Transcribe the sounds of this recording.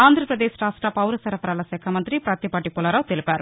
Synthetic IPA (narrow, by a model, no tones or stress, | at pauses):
aːnd̪ʱɾɐpɾɐd̪eːsʈaːsʈaːpɐwɾɐsɐɾɐpɐɾaːlɐsɛːkʰɐmɐnt̪ɾipɾaːt̪ipaːʈipɔlaːɾaːwt̪elipaːɾu